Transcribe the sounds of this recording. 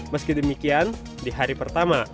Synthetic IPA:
məskidəmikian | diɦaɾipərt̪ama

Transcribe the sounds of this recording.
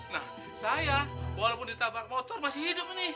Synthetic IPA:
nah | sajawalapʊndit̪abak̚mɔt̪ɔrmasɪhidʊp̚nɪ

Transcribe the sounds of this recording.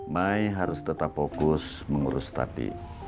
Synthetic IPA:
maiɦaɾʊst̪ət̪apfokʊs | məŋuɾʊst̪a̰dḭ

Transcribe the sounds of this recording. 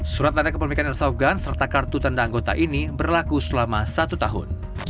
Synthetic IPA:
suɾat̪̚andakəpumikanɛrsafɡansərt̪akart̪ut̪andaːŋɡot̪a̰ʔinibərlakusəlamasat̪ut̪aɦʊ̰n

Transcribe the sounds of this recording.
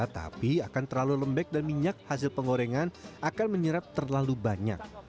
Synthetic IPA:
at̪a̰piakant̪ərlaluləmbɛk̚danmiɲak̚has̬ɪlpəŋɡoɾeŋanakanməɲəɾap̚t̪ərlalubaɲa̰k̚

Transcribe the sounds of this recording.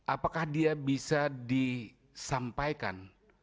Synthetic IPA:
ʔapakahdiabisadi | sampajka̰n

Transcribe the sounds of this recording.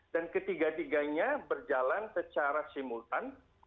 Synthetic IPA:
dankət̪iɡat̪iɡaɲabərd͡ʒalansət͡ʃaɾasimult̪an

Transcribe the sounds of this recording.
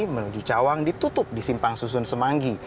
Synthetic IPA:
mənud͡ʒut͡ʃawaŋdit̪ut̪ʊp̚disimpaŋsusʊnsəmaŋɡi

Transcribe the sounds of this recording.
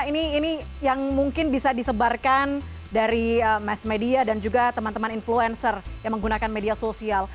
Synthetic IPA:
iniːni | jaŋmuŋkɪnbisadisəbarkan | daɾiəmɛsmediadand͡ʒuɡat̪əmant̪əmaninfluɛnsərjaŋməŋɡunakanmediasosial

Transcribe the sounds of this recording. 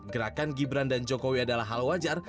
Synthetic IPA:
ɡəɾakanɡibɾandand͡ʒokowiadalaɦalwad͡ʒar

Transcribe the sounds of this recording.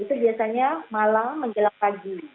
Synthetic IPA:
it̪ubiasaɲamalamːəɲd͡ʒəlaŋpaɡi

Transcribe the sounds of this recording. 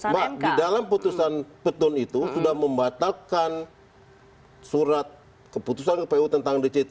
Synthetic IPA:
badidalamput̪usanpət̪ʊnit̪usudahməmbat̪alkan | suɾat̪̚ | kəput̪us̬ankəpeut̪ənt̪aŋdət͡ʃit̪

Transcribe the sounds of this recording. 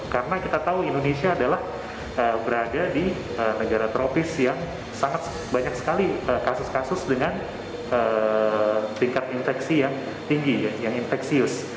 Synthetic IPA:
kaɾənakit̪at̪auindonesiaːdalah | əbəɾadadi | ənəɡaɾat̪ɾʔopɪsjaŋ | saŋat̪̚ | baɲak̚sə̥kaliəkasʊskasʊsdəŋan | ə | t̪iŋkat̪̚infɛksijaŋ | t̪iŋɡijajaŋinfɛksiʊs

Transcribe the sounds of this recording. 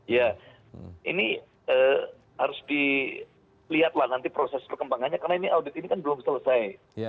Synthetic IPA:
ja | ḭni | əː | haɾʊsdi | liɦat̪̚lahnant̪ipɾosɛspərkəmbaŋanɲakaɾənainiʔawdɪt̪̚inikanbəlʊmsələsaj

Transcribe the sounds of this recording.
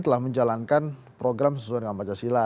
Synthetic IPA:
t̪əlahməɲd͡ʒalankan | pɾoɡɾamsəsuajdəŋanbat͡ʃasila

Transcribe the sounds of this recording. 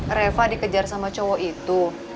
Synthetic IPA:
refadikəd͡ʒarsamat͡ʃɔwɔʔit̪u

